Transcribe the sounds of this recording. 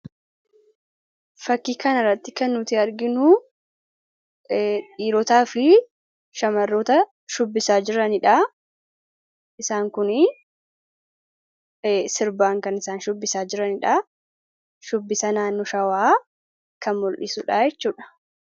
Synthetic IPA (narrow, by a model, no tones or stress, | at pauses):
fɐkːiːkɐnɪrːɐt̪ːɪkɐnːʊt̪ɪɐɾɡɪnʊ | ᶑiːɾɔt̪aːfɪ | ʃɐmɐrːoːt̪ɐ | ʃʊbːɪsaːd͡ʒɪɾɐnɪᶑa | ʔɪsaːŋkʊnɪ | sɪɾbaːŋkɐnɪsaːnʃʊbːɪsaːd͡ʒɪɾɐnɪᶑaː | ʃʊbːɪsɐnaːnːɔʃɐwaː | kɐnmɔlʔɪsʊːᶑaːjɛt͡ʃːuːᶑɐ̥